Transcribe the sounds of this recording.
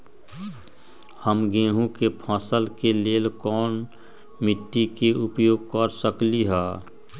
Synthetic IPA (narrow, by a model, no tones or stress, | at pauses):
həmɡẽːɦũkepʰãːsəlkeleːlkɔːn | mɪʈ̪ːikeʔʊpjoːɡ̚kəɾsəkliɦɛː